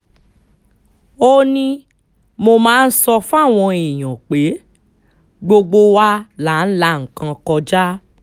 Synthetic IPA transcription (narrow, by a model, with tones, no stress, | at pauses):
o˦nĩ˧˦ | mo˧mãː˦n̩˦sɔ˧fũ˦a˦˨w̃ɔ̃˧i˨j̃ã˨k͡pe˨˦ | ɡ͡bo˧ɡ͡bo˧wa˧la˨˦n̩˦la˦ŋ̩˨kã˧kɔ˧d͡ʒa˦